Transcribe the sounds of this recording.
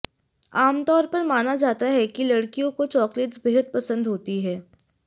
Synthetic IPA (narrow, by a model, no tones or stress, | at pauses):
aːmt̪ɔːɾpɐɾmaːnad͡ʒaːt̪aɦɛkilɐɽkijõkot͡ʃɔːkleʈsbeɦəd̪̚pɐsə̃nd̪ɦoːt̪iɦɛː